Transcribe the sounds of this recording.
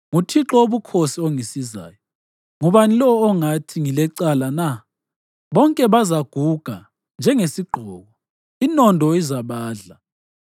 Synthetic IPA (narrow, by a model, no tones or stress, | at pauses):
ŋutʰiǁɔoβukʰosioŋisiza̰ːjɔ | ŋuβanilɔːŋatʰiŋilɛǀalana | βɔŋkʼɛβazaɡ̥ʱuɡ̥ʱa | nd͡ʒʱɛŋesiɡ͡ǃʱɔːɣɔ | inɔndʱɔizaβaːɮa